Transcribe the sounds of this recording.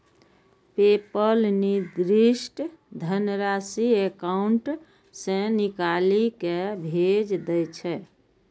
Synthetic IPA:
pepəlnid̪ɾiʃʈd̪ʱənɾasiekauɳʈ | sẽnikalikebʱed͡ʒd̪ɛt͡ʃʰɛ

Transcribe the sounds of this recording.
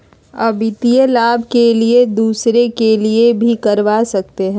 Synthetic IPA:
ɐ̰bɪt̪ijəlaːbʱkelied̪uːsɾekeliebʱikɐɾʋasɐk̚t̪eɦɛ̃ː

